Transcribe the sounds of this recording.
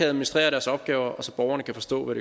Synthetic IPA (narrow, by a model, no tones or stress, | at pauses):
ææðˠminisd̥ʁḛːɐɾæɐsɒ̽b̥ɡ̥ɛːʊɐʔɒ̽sɒ̽b̥ɒʊɐnəkʰæfɒ̽sd̥ɔ̰ːʋæd̥ɾe